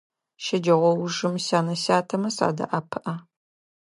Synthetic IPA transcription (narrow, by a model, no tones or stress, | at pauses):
ʃɐd͡ʒɐʁʷɔwʊʒɨmɕaːnɐɕaːtʰɐmɐsa̰ːdɐ̰ʔɐpʰɨʔɐ